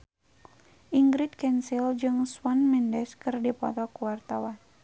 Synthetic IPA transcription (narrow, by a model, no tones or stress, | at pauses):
ʔiŋɡɾit̪̚kɛnsild͡ʒɨŋswanmɛndɛskɨrdipɔ̰t̪ɔkuwart̪awan